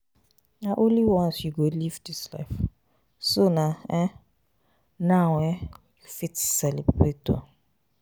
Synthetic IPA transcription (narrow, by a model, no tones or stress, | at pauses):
naʔonliwɔ̃nsjuɡolivdisla̰ɪf | sonaɛ | nawɛ | jufitsɛlibɾetɔ̰